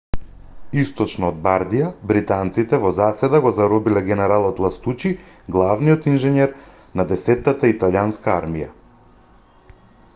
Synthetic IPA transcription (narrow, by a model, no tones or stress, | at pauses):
ist̪ɔt͡ʃnɔːd̪̚baɾd̪ijabɾit̪ant̪sit̪ɛvɔzasɛd̪aɡɔzaɾɔbilɛɡɛnɛɾalˠɔt̪lˠast̪ut͡ʃi | ɡlˠavniɔt̪inʒɛɲɛɾ | nad̪ɛsɛt̪ːat̪ait̪aljanskaaɾmija̰